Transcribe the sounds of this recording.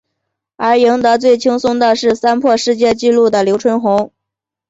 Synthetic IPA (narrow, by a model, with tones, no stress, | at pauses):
ə˞˧˥ji˧˥ŋd̪ə˧t͡swe˥˩ɪt͡ɕʰi˥ŋsʊ˥ŋd̪ə˧ʂɻ̩˥˩sa˥npʰwɔ˥˧ʂɻ̩˥˧t͡ɕjɛ˥˧t͡ɕi˥˧lu˥˩d̪ə˩ljo˧˥ʊʈ͡ʂʰwə˧˥nxʊ˧˥ŋ